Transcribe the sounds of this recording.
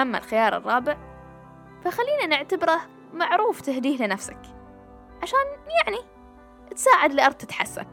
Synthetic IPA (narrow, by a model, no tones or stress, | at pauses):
amːa̰lxɪjɑːɾˤɨ̰rˤːɑːbɪʕ | faxalːiːnanɪʕt̪abɾa | maʕɾuːft̪ɪhd̪iːhlɪnafsak | ʕaʃaːnjaʕni | t̪saːʕad̪lɪʔɑɾˤd̪̚t̪ɪt̪ħa̰sːa̰